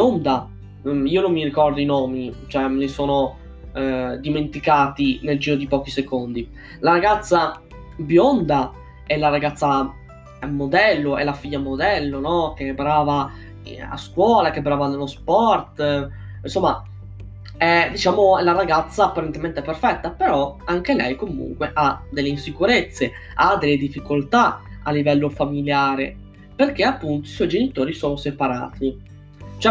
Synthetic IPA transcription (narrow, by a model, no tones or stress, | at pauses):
ond̪a | iːonomːirikɔrd̪oinɔːmit͡ʃɛmnesoːno | d̪iment̪ikaːt̪ineld͡ʒiːɾod̪ipɔːk̟isekond̪i | laɾaɡat̪sːa | bjond̪a | ɛlaɾaɡat̪sːa | mːod̪ɛlːoɛ̰lafiʎːamod̪ɛlːonɔk̟ebɾaːva̰ | a̰skwɔːlakebɾaːvanelospɔrt̪ | insomːa | ɛd̪it͡ʃaːmoɛlaɾaɡat̪sːaːpːaɾent̪ement̪eɛperfɛt̪ːapeɾɔaŋk̟elɛjkomṵŋkweʔad̪elːeinsikuɾet̪sːe | ad̪elːed̪ifːikolt̪aalːivɛlːofamiljaːɾe | perk̟eapːunt̪oiswɔjd͡ʒenit̪oːɾisoːnosepaɾa̰ːt̪ʰi | t͡ʃoɛ